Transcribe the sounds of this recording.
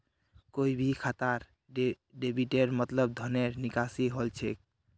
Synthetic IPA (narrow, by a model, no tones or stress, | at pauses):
koibʱikʰat̪aɾ | ɖebʱiʈeɾmət̪ləb̚d̪ʱəneɾnikasiɦolt͡ʃʰek̚